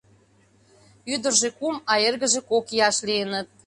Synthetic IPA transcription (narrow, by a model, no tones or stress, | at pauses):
yd̪ərʒekumɑjerɣəʒĕkokiɑʃliənə̆t̪̚